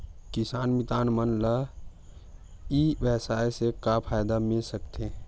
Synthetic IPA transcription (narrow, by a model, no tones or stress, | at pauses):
kɪsaːnmɪt̪aːnmənlə | iːʋɛsaːesekapʰaːjd̪amɪlsəkt̪ẽ